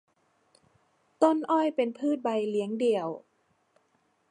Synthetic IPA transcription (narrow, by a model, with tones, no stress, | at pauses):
t̪o˥˩˨nʔɔː˥˩jpe˨npʰɯː˥˩t̪̚ba˧˩jli˨˦əŋdi˨˩əw